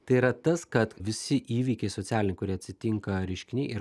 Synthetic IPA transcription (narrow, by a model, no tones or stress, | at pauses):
t̪ɐɪiːɾɐt̪ɐskɐt̪ʋʲɪsʲɪʔiːʋʲiːkʲɛɪsoːt̪ʲæːlʲɪnʲɪkʊɾʲiɛɐt̪ʲsʲɪt̪ʲɪŋkɐɾʲɛɪʃʲkʲɪnʲɛɪʔḭː